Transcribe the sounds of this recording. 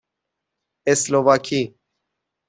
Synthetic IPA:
eslovaːkʰi

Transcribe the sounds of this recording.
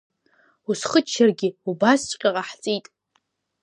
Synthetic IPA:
usχət͡ʃʰːarɡʲɪubast͡ʃʷʼqʲʼaqʼaħt͡sʼijtʼ

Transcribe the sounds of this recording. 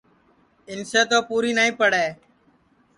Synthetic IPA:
ɪnseːt̪oːpuːɾiːnəːĩːpəɽeː

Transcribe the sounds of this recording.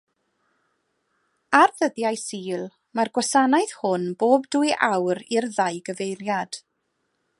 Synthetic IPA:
arðəðjajsiːlˠ | marɡwasanajð̥hʊnboːbduɨʔa̰wɾirðajɡəvejrjad̥

